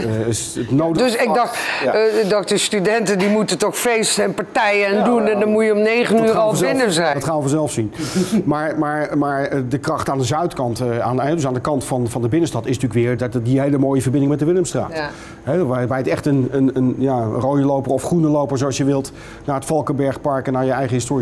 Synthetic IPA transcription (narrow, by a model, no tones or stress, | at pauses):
ətnowddøsɪɡ̚dɑx | dɑkdəstydɛntəndimutətɔχfejsɛnpaɹtɛjəndunɛndɑmujəɔmnejχənyːɾɑlˠɪnəzɛɑtχaːəfɔzɛlˠfsinmaːɹmaːɹmaːɹədəkrɑχtaːndəzœɥtkɑntanɦɛdøsaːndəkɑntfɑnvɑndəbɪnənstɑtɪsntyːkʋɪːɹddiɦejləmoːjəvəɹbɪndɪŋmɛt̚dəʋɪləmstra̰ːt | ɦɛʋʋɛjətɛχtənənənjarowjəlowpərɔfχrunəlowpəɹzoɑsjəʋɪlˠt | naːɹətfɑlˠkəbɛɹχpɑɹkənaːɹjəɛjχəɦɪstoːri